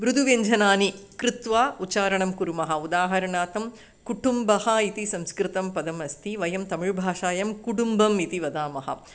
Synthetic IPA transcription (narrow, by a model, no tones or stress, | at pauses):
ʋɾud̪ʱuʋeɲd͡ʒʱɐnaːnikɾɪt̪ʋaːut͡ʃaːɾɐɳɐmkuɾumɐɦɐ̆ud̪aːɦɐɾɐɳaːt̪ɐm | kuʈumbɐhɐ̆it̪isɐ̃mskɾɪt̪ɐmpɐd̪ɐmɐst̪ʰiʋɐjɐmt̪ɐmɪɭbʱaːʃaːjɐmkuʈumbɐmit̪iʋɐd̪aːmɐɦɐ̰